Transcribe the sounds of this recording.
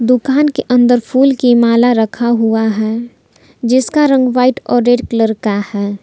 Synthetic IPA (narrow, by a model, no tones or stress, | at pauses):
d̪ʊkaːnkeʔə̃nd̪əɾpʰuːlkemaːlaɾəkʰaɦuaɦɛː | d͡ʒɪskaɾə̃ŋɡʋaːɪʈɔːɾːeːɖkləɾkahɛː